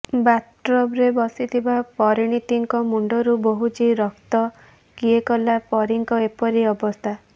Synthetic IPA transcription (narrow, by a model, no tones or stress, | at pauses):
bat̪ɾɔbɾebɔsit̪ʰibapɔɾiɽ̃it̪iŋkɔmuɳɖɔɾuboɦut͡ʃiɾɔkt̪ɔ | kiekɔlapɔɾiŋkɔepɔɾiɔbɔst̪ʰa